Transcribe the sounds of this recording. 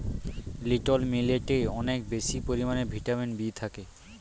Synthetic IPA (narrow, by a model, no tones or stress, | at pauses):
liʈolmileʈeɔnekbeʃipoɾimanebʱiʈaminbit̪ʰake